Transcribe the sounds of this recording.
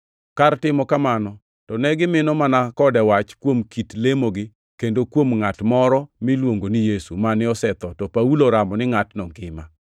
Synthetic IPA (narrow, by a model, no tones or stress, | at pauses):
kartɪmɔkamanɔ | tɔnɛɡɪmɪnɔmanakɔdɛwat͡ʃkwomkitlemoɡɪ | kendokwomŋatmɔɾɔmilwoŋɡonijesumanɪɔsɛt̪ɔtɔpauloɾamɔnɪŋatnɔŋɡɪma